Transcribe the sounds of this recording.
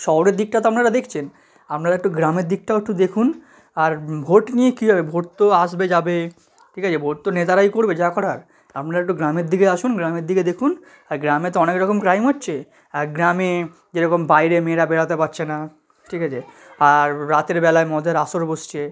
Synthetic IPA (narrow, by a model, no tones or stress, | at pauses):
ʃɔɦoɾeɾd̪ik̚ʈat̪oapnaɾad̪ekʰt͡ɕʰen | apnaɾaek̚ʈoɡɾameɾd̪ik̚ʈaoek̚ʈud̪ekʰun | aɾbʱoʈnijekiɦɔbebʱoʈt̪oaʃbed͡ʑabe | ʈʰikat͡ɕʰebʱoʈ̚t̪onet̪aɾaijkoɾbed͡ʑakɔɾaɾ | apnaɾaekʈoɡɾameɾd̪iɡeaʃunɡɾameɾd̪iɡed̪ekʰun | aɾɡɾamet̪oɔnekɾɔkomkɾajmɦotːɕʰe | aɡɾame | d͡ʑeɾɔkombajɾemeɾabeɽat̪epatːt͡ɕʰena | ʈʰikat͡ɕʰe | aɾɾat̪eɾbɛlaemɔd̪ʱeɾaʃoɾboʃt͡ɕʰe